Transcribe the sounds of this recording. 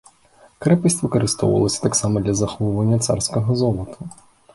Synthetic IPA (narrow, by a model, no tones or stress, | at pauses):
kɾɛpɪsʲtʲʋɪkɔɾɪst̪ɔ̰wɐ̰lˠɔsʲɐ̥t̪aksɑmɔd̪lʲɐzɐxɔʊʋɐnʲːɐt̪sɑ̰rsʲkɔɦɔzɔlˠɔt̪ʰɐ